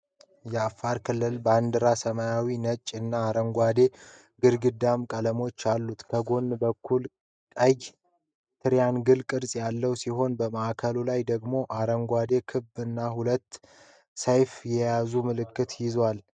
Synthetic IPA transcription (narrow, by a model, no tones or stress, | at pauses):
jɛafːaɾkʰɨlːɨlband̪ɨɾasəmajawinət͡ʃʼːɨnːaːɾəŋɡʷad̪e̞ | ɡɨɾɡɨd̪amkʼələmo̞t͡ʃːalːut̪kʰəɡo̞nːbəkʰːul | kʼəj | t̪ʰɨɾjanɡɨlkʼɨɾsʼjalːəwsiɦo̞nbəməʔakʰəlulajd̪əɡmo̞ʔaɾəŋɡʷad̪e̞kʰɨbɨnːahulət̪ː | sejfjɛjazumɨlɨkːɨt̪jɪzwal